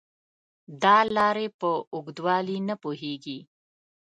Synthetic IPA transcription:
d̪ɑːlɑːɾepəʊɡd̪wɑːlinəpuɦeɡi

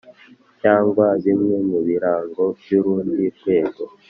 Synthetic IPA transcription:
caːŋɡwaβimŋemuβiɾaːŋɡo̞bjuɾuːndikwe̞ːɡo

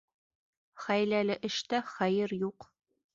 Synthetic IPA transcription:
χæjlælɘʔɘ̆ʃt̪æχæjɘɾjuq

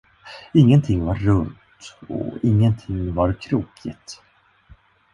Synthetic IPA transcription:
ɪŋːənt̪ʰɪŋːvaɾːɵnt̪ɔ̰ɪŋːənt̪ʰɪŋːvaɾkʰɾuːkʰɪt̪

